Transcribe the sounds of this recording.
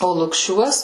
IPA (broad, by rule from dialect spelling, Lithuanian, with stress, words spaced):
oː lˠʊkˈʃʲuɔs